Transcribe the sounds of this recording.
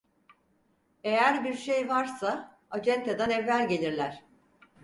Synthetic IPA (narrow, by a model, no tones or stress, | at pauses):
e̞jæɾbiɾʃejvaɾsa | ad͡ʒɛnt̪ʰed̪ænɛvːælʲɟe̞lʲiɾlʲæɾ̥